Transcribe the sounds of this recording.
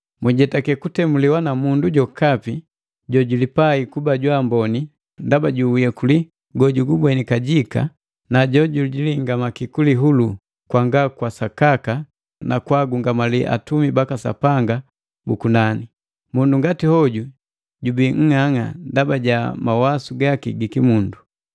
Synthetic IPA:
muɟɛtakɛkutɛmuliwanamunduɟɔkapi | ɟɔɟulipaikubaɟwambɔni | ndabaɟuujɛkuli | ɡɔɟuɡubwɛnikaɟika̰ | naɟɔɟulɟiliŋɡamakikuliɦulu | kwaŋɡakwasakaka | nakwaɡuŋɡamaliʔa̰tumibakasa̰paŋɡa | bukunani | munduŋɡatihɔɟu | ɟubiŋ̩ŋaŋa̰ndabaɟamawasuɡakḭɡikimundu

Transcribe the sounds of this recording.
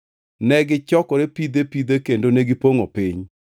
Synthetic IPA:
nɛɡɪt͡ʃɔkɔɾepid̪epid̪ekendoneɡɪpoŋopiɲ

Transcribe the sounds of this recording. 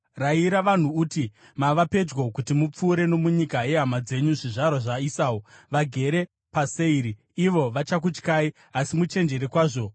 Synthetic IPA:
raiɾaʋan̤uːti | maʋape̞d͡ʒɡo̞kutimup͡fuːɾe̞no̞muɲikaje̞ɦamad͡ze̞ɲuʐiʐaɾoʐaisaːwoʋaɡʱe̞ɾe̞ | paseiɾiː | ʋo̞ʋat͡ʃak̬ut͡ʃkai | asimut͡ʃe̞nd͡ʒe̞ɾekwaːʐo̞

